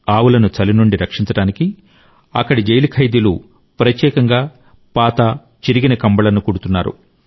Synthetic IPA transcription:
aːwulɐnut͡ʃɐlinuɳɖiɾɐkʂiɲt͡ʃɐɽaːniki | ɐ̰kːɐɽid͡ʒɐjlikʰɐjd̪ilṵ | pɾɐt̪jɛːkɐŋɡaː | paːt̪a | t͡ʃiɾiɡinɐkɐmbɐlɐnukuɽut̪unːaːɾṵ

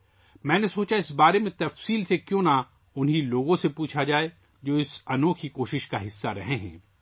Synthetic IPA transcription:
mɛ̃ːnesoːt͡ʃaɪsbaːɾemẽt̪ɐfsiːlsekjõːna | ʊnɦiloːɡõsepuːt͡ʃʰad͡ʒaːe | d͡ʒoːɪsɐnoːkʰikoːʃɪʃkaɦɪsːaɾɐ̰ɦẽɦɛ̰̃ː

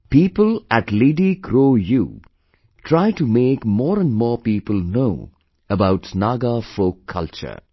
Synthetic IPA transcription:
piːpəlæʈleɖikʰɾoːjuː | ʈʰɾaɪʈumeːkmɔːɾə̃nmɔːpiːpəlnoʊ | əbaʊʈsnaːɡafoːkʰːʌlt͡ʃə̰

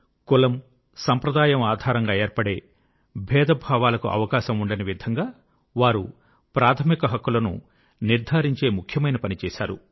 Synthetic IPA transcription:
kulɐm | sɐmpɾɐd̪aːjɐmaːd̪ʱaːɾɐŋɡaːeːɾpɐɽe̞ː | bʱɛːd̪ɐbʱaːʋaːlɐkuʔɐ̰ʋɐkaːʃɐmuɳɖɐniʋid̪ʱɐŋɡaː | ʋaːɾu | pɾaːt̪ʰɐmikɐɦɐkːulɐnṵ | niɾd̪ʱaːɾiɲt͡ʃe̞ːmukʰjɐmɐjnɐpɐnit͡ʃɛːʃa̰ːɾṵ

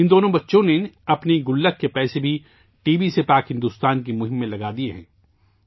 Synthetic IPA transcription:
ɪnd̪oːnõbɐtːʃõneɐpniɡʊlːəkːepɛːsebʱi | ʈiːbisepaːkɦɪ̃nd̪uːst̪aːnkimʊɦɪ̃mːẽlɐɡaːd̪ieɦɛ̰̃ː

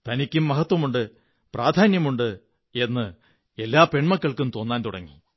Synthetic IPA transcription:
t̪ɐnikʲːumːɐɦɐt̪wɐmuɳɖɨ | prʔaːd̪ʱaːnjɐmuɳɖɨ | e̞nːɨ | e̞lːaːpe̞ɳmɐkːɐɭkumt̪o̞ːnːaːnt̪uɽɐ̰ŋːḭ

